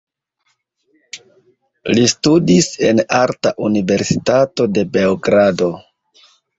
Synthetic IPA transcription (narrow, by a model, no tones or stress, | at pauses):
listudise̞̰naɾtaʔunive̞ɾsitato̞de̞be̞oɡɾado̞